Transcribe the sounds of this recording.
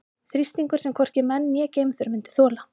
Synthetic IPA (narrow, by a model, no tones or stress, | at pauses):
θɾist̪niŋkʏɾ̥sɛmkʰɔr̥cɪmɛnːjɛːceːjmθʏɾmɪnt̪ɪ̥θɔːla